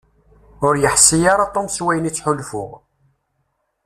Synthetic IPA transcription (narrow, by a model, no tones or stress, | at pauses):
ʊɾjəħsijaɾˤɑt̪ˤːomswæjənit͡sːħʊlfʊ̰ʁ